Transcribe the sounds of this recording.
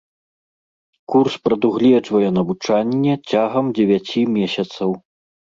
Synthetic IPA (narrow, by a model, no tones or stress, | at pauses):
kurspɾɐd̪uɣlʲɛd͡ʐvɐjɛnɐvut͡ʂanʲːɛt͡sʲaɣɐmd͡zʲɛvʲat͡sʲimʲɛsʲɐt̪sɐw